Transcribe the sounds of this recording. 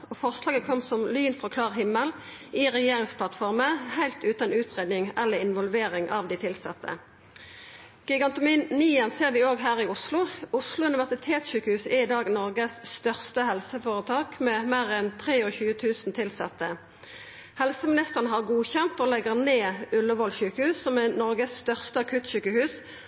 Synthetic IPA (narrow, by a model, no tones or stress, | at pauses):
oːfɔʁslɑːɡəkʰɔmːsɔmlyːnfʁɔkʰlɑːʁhɪmːəl | iːʁɛjeːʁɪŋspʰlɑt̪fɔʁməhæɪlt̪ʉːt̪ənʉːt̪ʁeːd̪nɪŋɛlːəʁɪnʋɔlʋeːɾɪŋʔɑʋd̪ɪt̪ʰɪlsɛt̪ʰːə̰ | ɡ̥ɪɡɑnt̪ʊminiːɛnseːʁʋɪoːɡɦæːʁɪʊslʊʊslʊʉnɪʋæʁsɪt̪ʰeːt̪sɕyːkəhʉːsɛɪd̪ɑːɡnɔʁɡəsst̪œʁst̪əhɛlsəfoːʁət̪ʰɑːkmeːmeːʁɛnt̪ʰʁeːoːçʉːət̪ʰʉːsnt̪ʰɪlsɑt̪ːə | hɛlsəmɪnɪst̪əʁənəɦɑʁɡuːçɛnt̪oːlɛɡəʁneːʉləʋɔlçʉːkəhʉːssɔmɛnɔʁɡəsːt̪œʁst̪əɑkʰʉt̪ɕyːkəhʉːs